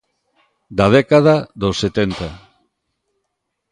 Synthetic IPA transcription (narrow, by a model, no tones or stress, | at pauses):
d̪aðɛkaðaðosːet̪ent̪a